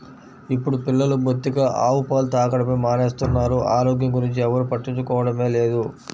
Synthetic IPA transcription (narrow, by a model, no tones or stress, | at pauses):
ipːuɽupilːɐlubʱot̪ːiɡaʔaːwupaːlut̪aːkɐɽɐmeːmaːneːst̪unːaːɾuʔaːɾo̞ːɡjɐmɡuɾiɲt͡ʃiɛʋɐɾupɐʈːiɲt͡ʃukɔːʋɐɽɐme̞ːle̞ːd̪u